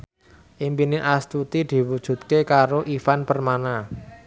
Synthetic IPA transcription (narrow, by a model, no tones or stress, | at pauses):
ʔimpinɪʔast̪ut̪id̪̥i̤wud̥ʒ̥ṳt̪̚kekaɾoʔifanpərmana